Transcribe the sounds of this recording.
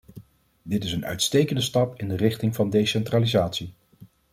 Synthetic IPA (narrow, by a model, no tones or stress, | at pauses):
dɪtɪsənœ̰ɥtstejkəndəstɑpɪndərɪχtɪŋvɑndejsɛntraːlizaːtsi